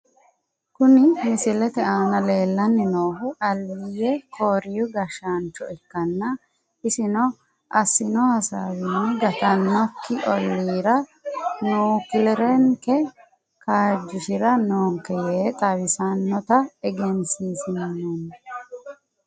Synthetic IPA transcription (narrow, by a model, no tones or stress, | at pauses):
kʊnɪmɪsɪlɛt̪ɛaːnɐle̞ːlːɐnːɪnoːɦʊʔɐlːijɛkʰoːɾɪjʊɡɐʃant͡ʃːɔɛkːɐnːɐ | ɪsɪnɔ | ʔɐsːɪnɔhɐsa̰wɪnːɛɡɐt̪ɐnːɔkʰːɪʔɔlːiːɾɐnuːkɪlɛɾɛŋkɛ | kʰaːd͡ʒːɪʃɪɾɐnoːŋkɛjeːt̪ʼɐwɪsɐnːɔt̪ɐɛɡɛnsiːsɪnnɛnː